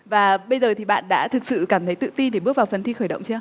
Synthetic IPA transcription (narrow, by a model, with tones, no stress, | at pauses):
vaː˨˩ɓə˧jzəː˨˩t̪ʰi˨˩ɓa̰ː˧˨nɗa̰ː˧˥t̪ʰɨ˨˩k̚sɨ̰˧˨kaː˧˩mt̪ʰə˨˦jt̪ɨ̰˧˨t̪i˧nɗe˧˩ɓɨ˦˥ək̚vaː˨˩wfə˨˩nt̪ʰi˧xəː˧˩jɗə̰˧˨wŋ͡mt͡ɕa˧